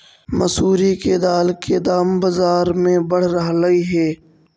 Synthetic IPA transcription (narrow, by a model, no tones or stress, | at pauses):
mɐsuːɾiked̪aːlked̪aːmbɐzaːɾmẽbɐɽ̤ɾɐɦlɐiɦɛː